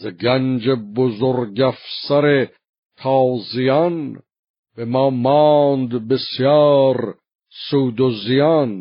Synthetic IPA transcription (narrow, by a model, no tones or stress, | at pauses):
zeɡænd͡ʒebozoɾɡæfsæɾe | t̪ʰɑːzijɑn | b̥emɑːmɑːnd̪besjɑːɾ | suːd̪ozijɑn